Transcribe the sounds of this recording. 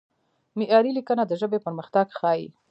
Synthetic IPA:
mɪʔɑɾilikənad̪əʒəbepəɾməxt̪aɡxɑjḭ

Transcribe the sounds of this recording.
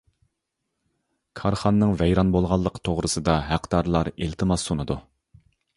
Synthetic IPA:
kʰɑɾχɑnːɨŋvɛjɾɑnbolˠʁɑlˠːəqʰt̪ʰoʁɾɨsɨd̪ɑɦæqd̪ɑɾlˠɑɾelt̪ʰɨmɑsːonɨd̪u

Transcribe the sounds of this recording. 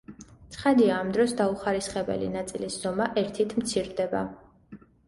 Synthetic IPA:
sʰχad̪iaːmd̪ɾɔsd̪auχaɾisχɛbɛ̰lḭnat̪sʼilisz̥ɔmaʔɛɾt̪ʰit̪ʰmt̪sʰiɾd̪ɛba

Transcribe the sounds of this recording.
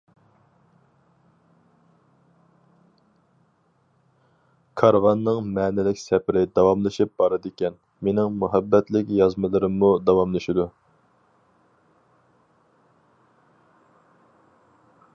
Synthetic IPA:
kʰɑɾvɑnːɨŋmɛːnɪlɪkʲsɛpɾɪd̪ɑwɑmlˠɨʃip̚b̥ɑɾɨd̪ɪkʲɛn | menɪŋmuɦɛbːɛt̪lɪkʲjɑzmɨlˠɨɾɨmːud̪ɑwɑmlˠɨʃid̪u

